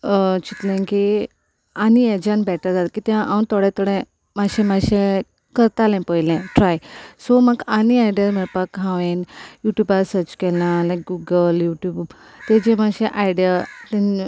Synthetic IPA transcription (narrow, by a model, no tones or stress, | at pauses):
t͡ɕit̪lẽki | anied͡ʑanbɛʈəd͡zat̪kiːt̪jãʔaunt̪ɔɽɛ̃t̪ɔɽɛ̃ | maɕẽmaɕẽ | kəɾt̪alɛ̃pəjlɛ̃ʈɾajsɔməɡaniajɖijəɾmiɭpakɦãʋẽnjuʈjubaɾsəɾt͡ɕkɛlãlakɡuɡəljuʈjuːb | t̪ed͡ʑẽmaɕẽʔajɖjat̪ẽn